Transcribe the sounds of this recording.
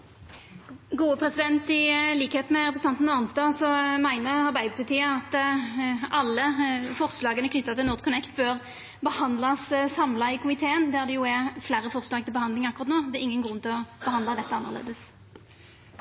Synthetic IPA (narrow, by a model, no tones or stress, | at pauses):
ɡuːəpʰʁɛsɪd̪ɛnt̪ɪliːkəheːt̪mɛʁɛpʰʁɛst̪ɑnt̪n̩ɑnsd̪ɑːsɔmæɪnəʁɑʁbæɪd̪əpʰɑt̪ʰiːəɑt̪ | ʔɑlːəfɔʁslɑːɡənəkʰnʏt̪ːɑt̪ʰɪlʊʁd̪kʰʊnɛkt̪bøːʁ | bəhɑnd̪lɑssɑmlɑɪkʊmɪt̪ʰeːənd̪æʁd̪ɛjʊɛflæːɾəfɔʁslɑːɡ̚t̪ʰɪlbəhɑnd̪ɪŋɑkːʊʁɑt̪noːd̪ɛɛʁɪŋːənɡʁʉnːt̪ɪlɔb̥əhɑnd̪lɑd̪ɛt̪ːəɑnːəʁlḛːd̪əs